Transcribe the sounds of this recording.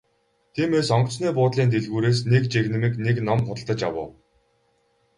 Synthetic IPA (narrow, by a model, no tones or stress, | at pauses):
t̪ʰiːmeːsɔŋkt͡sniːpʊːt̪ɮiːnt̪ʰeɮɣuːɾeːs̬nekt͡ɕeɣnɘ̆miːkneknɔmχʊt̪ə̆ɮt̪ə̆t͡ɕja̰wʊ̰ː